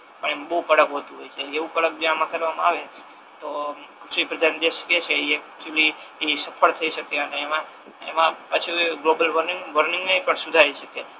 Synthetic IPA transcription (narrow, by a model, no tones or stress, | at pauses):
pəɳ̃emãbəɦukəɽəkɦot̪ũɦojt͡ʃʰeːʋũkəɽək̚d͡ʒamãkəɾʋamãaʋe | t̪osʋipɾəd̪ʱand͡ʒeʃket͡ʃʰeiet͡ʃuli | isəpʰəɭt̪ʰəiʃəkeəneːmã | ḛmãpat͡ʃʰuɡlobəlʋəɾniŋɡʋəɾnɪŋɡneipəɳsud̪ʱaɾiʃəke